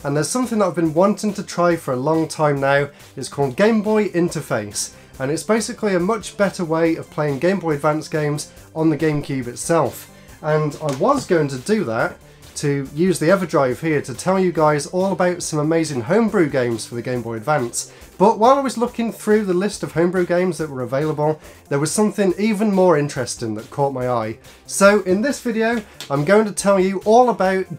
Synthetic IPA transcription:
ə̃nðəz̥sʌ̃mθɪ̃ŋðətaɪvbɨ̃nwɒ̃ntɪ̃ŋtʰətʰɹ̥aɪfə˞əlɔ̃ŋtʰãɪ̃mnaʊ | ɪtskʰɔlˠd̚ɡẽɪ̃mbɔɪʔɪ̃ntəfeɪs | ə̃nɪtsb̥eɪsɪkliəmʌt͡ʃb̥ɛtəweɪəv̥pʰl̥eɪɪ̃ŋɡẽɪ̃mbɔɪədvãnsɡ̥ẽɪ̃mz | ə̃nðɨɡẽɪ̃mkʰj̥ʉːbɨtsɛlˠf | ə̃naɪwɒzɡoʊɪ̃ŋtʰədɨðətʰ | əjʉːzðiɛvə˞dɹaɪv̥hiəɾʰətʰɛlˠjɨɡaɪzɔːlˠəbaʊtsʌ̃məmeɪzɪ̃ŋɦõʊ̃mbɹʉɡẽɪ̃mz̥fəðɨɡẽɪ̃mbɔɪədvãns | b̥ʌʔwaɪlˠaɪwʌzlʊkɪ̃ŋθɹʉðəlɪstəv̥hõʊ̃mbɹʉɡẽɪ̃mzðəʔwə˞əveɪlˠəbəlˠ | ðəwʌz̥sʌ̃mθɪ̃ŋivə̃nmɔːɹɪ̃nt͡ʃɹ̥ɛstɪ̃ŋðət̚kʰɔˑʔ̚maɪaɪ | soʊʔɪ̃nðɪsv̥ɪɾioʊãɪ̃mɡoʊɪ̃ŋtʰətʰɛlˠjɨʔɔlˠəbaʊt̚

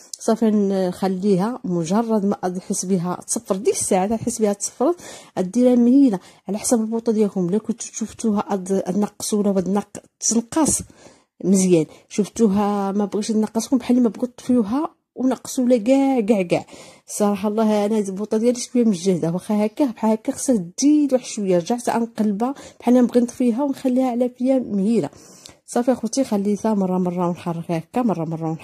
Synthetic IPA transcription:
sˤɑfinxælːiɦæmʊʒɑrˤːɑd̪mæʔɑd̪ħəsbəɦæ̰t̪səfːɾˤd̪isːaʕad̪æħəsːbəhæt̪sˤə̥fːɾˤɑt̪ʔæd̪ːiɾæmhina | ʕlæħsæbəlbut̪ˤɑd̪jækʊmlækʊt̪ʃuft̪uɦæʔɑd̪ʔæd̪nɑqːsˤwlæwæd̪nɑt̪ːnqːɑs | məzjænʃuft̪uɦæmæbɣiʃd̪nɑqːɑskʊmbħəlːimæbɡʊt̪ˤːfjuɦæ | wnɑqːsˤwlæɡæʕɡaʕɡa̰ʕsˤɑɾˤɑħɑlˤːɑhæʔænæbut̪ˤːɑd̪jæliʃkfijæməʃʒəd̪æwæxæhækːæbħahækːæxsæd̪ilwaħʃwəjːaɾʒaʕt̪ʔæ̰nqɑlbab̥ħanːænbɣənt̪ˤfiɦæwnxælːihæʕlæfəjːæmhiɾa̰sˤɑfiæxut̪ixælːit̪æmɑrˤːɑmɑrˤːɑwnħɑrˤːəkhækːæmɑrˤːɑmɑrˤːɑwnħ

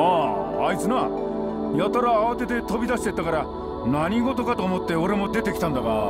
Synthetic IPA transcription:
aːit͡sɨna | jat̪aɾaːβat̪e̞t̪e̞t̪o̞bʲid̪aɕi̥t̪e̞t̪ːakaɾa | naɲ̟iɡo̞t̪o̞kat̪oːmo̞t̪ːe̞o̞ɾe̞mo̞d̪e̞t̪e̞kʲi̥t̪ãnd̪aɡa

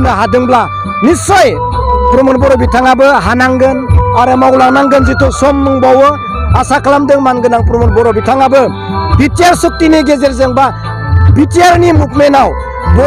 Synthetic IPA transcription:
nɯɦadɯŋbla | nisɔj | pɾɔmɯnbɔɾɔbitʰaŋabɯɦanaŋɡɯnaɾɯmawlaŋnaŋɡɯnzitɔsɔmnɯŋbawɯ | asakʰlamdɯŋmanɡɯnaŋpɾmɯnbɔɾɔbitʰaŋabɯ | bitijaɾsɯk̚tiniɡezeɾzɯŋba | bitijaɾnimup̚menaw | bɔ

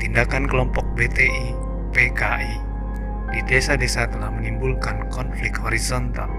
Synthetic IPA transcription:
t̪indakankəlɔmpɔk̚bet̪eʔi | pekaʔi | d̥idesadesat̪əlahmənimbulkankɔnflɪk̚t̪̚hɔɾisɔnt̪al

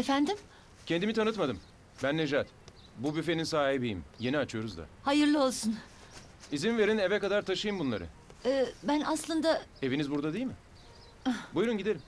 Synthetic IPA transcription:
efænd̪im | cʰend̪imit̪ʰanɯt̪mad̪ɯm | bænːeʒat̪ | bubyfe̞ninsaːɦibijḭmje̞niat͡ʃʰɯjo̞ɾuzd̪a̰hajɯɾlˠɯo̞lˠsun | izinve̞ɾinevɛkad̪aɾt̪ʰaʃɯjɯmbunlˠa̰ɾɯ̰ɛːbænaslˠɯnd̪ae̞vinizbuɾd̪ad̪ejilʲmɪ | bujɾunɟid̪e̞lʲim

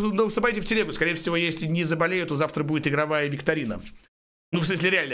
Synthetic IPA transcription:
nost̪ʊpajitʲɪftʲɪlʲeɡʊskɐɾʲejɪfsʲɪvo̞jesʲlʲɪnʲɪzəbɐlʲejʊt̪ːozaft̪ɾəbudʲɪt̪ɪɡɾɐvajəvʲɪkt̪ɐɾʲinə̰ | nufsmɨs̬ʲlʲɪɾʲɪalʲnə

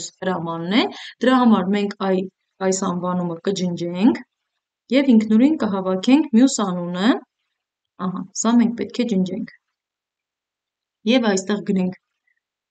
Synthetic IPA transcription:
shəɾɑmɑnːɛd̪̥əɾɑɦɑmɑɾmɛŋkʰɑj | ɑjsɑnvɑnuməkəd͡ʒənd͡ʒɛŋkʰ | jɛviŋkʰnɔɾinkəɦɑvɑkʰɛŋkʰmjusɑnunə | ɑɦɑsɑmɛŋk̚pɛt̪̚kʰɛd͡ʒənd͡ʒɛŋkʰ | jɛvɑjst̪ɛʁɡənɛŋkʰ

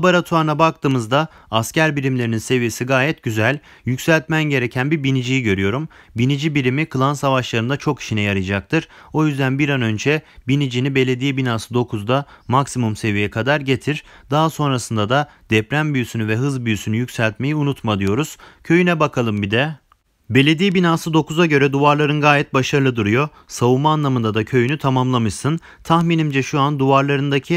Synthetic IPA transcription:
baɾat̪ʰuaɾnabak̚t̪ʰɯːmɯzd̪aː | scæɾbiɾimlʲeɾininse̞vijesiɡaːjɛt̪̚ɟyzælʲ | jycsælʲt̪mænɟe̞ɾecʰænbiɾbinid͡ʒijiɟø̞ɾyjo̞ɾum | binid͡ʒibiɾimikʰɯlˠansavaʃlˠaɾɯnd̪at͡ʃʰo̞kʰi̥ʃinɛjaɾɯd͡ʒak̚t̪ʰɯɾ̥o̞jyzd̪ænbiɾanø̞nd͡ʒɛbinid͡ʒinibe̞lʲe̞d̪ijibinasɯd̪o̞kʰuzd̪amaksimumse̞vijɛkʰad̪aɾɟe̞t̪ʰiɾ | d̪aɦaso̞nɾasɯnd̪ad̪a | d̪ɛpɾæmbyjysynyvɛɦɯzbyjysynyjycsælʲt̪me̞jiunut̪mad̪ɯjo̞ɾuz̥cʰø̞jynɛbakʰalˠɯmbid̪ɛ | be̞lʲe̞d̪ijɛbinaːsɯd̪o̞kuzaɟø̞ɾɛd̪uvaɾlˠaɾɯnɡaːjɛt̪̚baʃaɾɯlˠɯd̪uɾujo̞ | savumaːnlˠamɯnd̪ad̪acʰø̞jynyt̪ʰamamlˠamɯʃsɯn | t̪ʰaxminimd͡ʒɛʃuand̪uvaɾlˠaɾɯnd̪acʰi

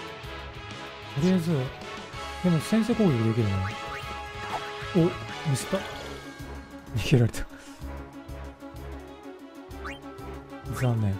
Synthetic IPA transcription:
t̪oɾʲiazɨ | d̪̥emosẽ̞s̬ekoːɡʲekid̪ek̪̬ʲiɾɯe | omʲisɨ̥t̪a | ɲikʲeɾaɾet̪ʰḁ | sãnːẽ

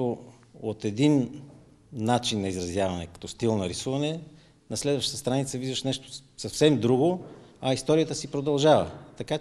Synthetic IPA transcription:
o | ot̪ɛd̪in | nat͡ʃinːɐizɾɐzjavɐnɛkɐ̥t̪ɔst̪ilˠnɐɾisuvɐnɛ | nɐslɛd̪vɐʃt̪ət̪əst̪ɾanit̪səvizvɐʃnɛʃt̪o̥sɐfsɛmd̪ɾuɡoɐist̪ɔɾijət̪əsipɾod̪ɐlˠʒavə̰t̪ɐka

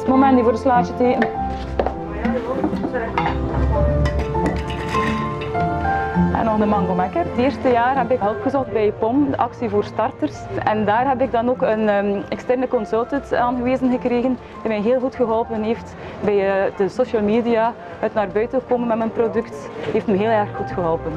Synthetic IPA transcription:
momɛndivoːrdəslaːt͡ʃəteː | ɛ̰nɔxdəmɑŋɡomɛkərəteːrstəjaːrɦɛbɪkɦɛlˠpxəzɔxt̚bɛjpɔmdəʔɑksivoːrstɑrtərsɛndaːrɦɛpɪɡ̚dɑnoːkənːɛkstɛrnəkɔnsɵlˠtəntaːnɣəʋeːzənɣəkreːɣən | dimɛjɦeːlˠɣutxəɦɔlˠpənɦeːft | bɛjd̥əsoʃəlˠmeːdia | œtnaːrbœɥtəəkoːmənmɛtmənprodʏkt | ɦeːftməɦeːlˠɛrxutxəɦɔlˠpən

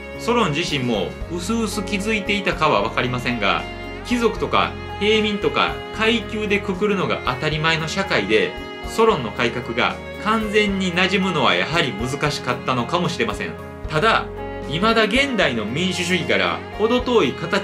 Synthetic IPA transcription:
so̞ɾõ̞ɲ̟d͡ʑiɕĩmːo̞ɯ̟sɨːsɨkʲizɨit̪e̞it̪akaβaβ̞akaɾʲimasẽ̞ŋɡa̰ | kʲizo̞kɯ̟̥t̪o̞ka̰ | he̞ːmʲĩnt̪o̞ka̰kʰaikʲɨːd̪e̞kɯ̟kɯ̟ɾɯ̟no̞ɡa̰ʔat̪aɾʲimaeno̞ɕakaid̪e̞ | so̞ɾõ̞nːo̞kaikakɯ̟ɡa̰ | kãnd͡zẽ̞ɲ̟ːinaʑimɯ̟no̞β̞a̰ja̰ɦaɾʲimɯ̟zɨkaɕi̥kat̪ːano̞kamo̞ɕiɾe̞masẽ̞̰ŋ | t̪ad̪a | imad̪aɡẽ̞nd̪aino̞mʲĩɰ̃ɕɨɕ̬ɨɡʲikaɾa̰ | o̞d̪o̞t̪o̞ːikat̪a

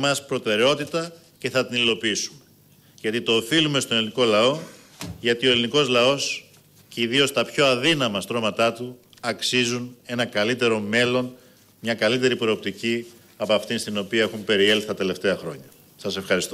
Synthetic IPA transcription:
mɐspɾo̞t̪e̞ɾe̞o̞t̪it̪ɐ | ce̞θɐt̪inilo̞piisumee | ʝɐt̪it̪o̞ːfilume̞st̪o̞eliniko̞lɐo̞ | ʝɐt̪io̞eliniko̞zlɐo̞s | ceiðio̞st̪ɐpço̞ɐðinɐmɐst̪ɾo̞mɐt̪ɐt̪u | ɐksizune̞nɐkɐlit̪e̞ɾo̞me̞lo̞n | mɲɐkɐlit̪e̞ɾipɾo̞op̚t̪ici | ɐpɐft̪inst̪ino̞piɐe̞xumpe̞ɾie̞lθi̥t̪ɐt̪e̞le̞ft̪e̞ɐxɾo̞̰ɲɐ | sɐse̞fxɐɾist̪o

